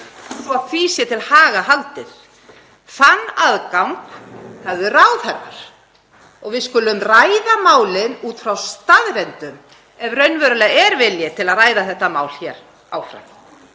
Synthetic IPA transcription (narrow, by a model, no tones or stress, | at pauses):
sɔaðfiːsjɛt̪ʰɪlhaːɣaɦalt̪ɪð̥ | θanːaðkawŋkhavðʏrawθɛɾva̰ɾ̥ | ɔɣvɪðskʏlːʏmraːjðamaːwlɪnuːt̪fɾawst̪aðɾɛnt̪ʏm | ɛvrœɥnvœɾʏlɛɣɛɾvɪljɪt̪ʰɪlaðraːjðaθɛht̪ːamaːwlçɛɾ | a̰wfɾa̰w